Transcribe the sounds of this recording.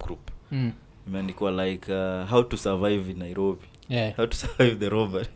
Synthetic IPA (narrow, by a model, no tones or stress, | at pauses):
ɡ̥ɾup | nimɛandikiwalajkʰaɦawtusəvajvnajɾobi | hawtu̥səvajvðəɾobə